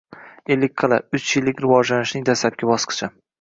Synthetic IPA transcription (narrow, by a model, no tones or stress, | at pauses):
e̞lːɪkʲqʰɨlˠaʊt͡ʃjɪlːɪkʲɾɪvɒd͡ʒlanɪʃnɪŋd̪aslap̚kʲabɒsqʰɨ̥t͡ʃʰa